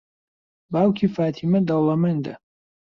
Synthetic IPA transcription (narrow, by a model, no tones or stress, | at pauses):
baːwkʰiːfaːt̪ʰiːmɐd̪ɐlɐmɐnd̪ɐ̰